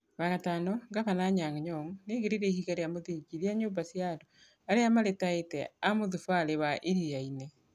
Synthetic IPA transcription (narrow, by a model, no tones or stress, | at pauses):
βaɣatanɔŋɡaβanaɲaŋɲɔŋneɣeɾiɾɛihiɣaɾeamoðiɡiɾiaɲoːmbasiado | aɾeamaɾetaetɛamoðufaɾewaʔeɾijaine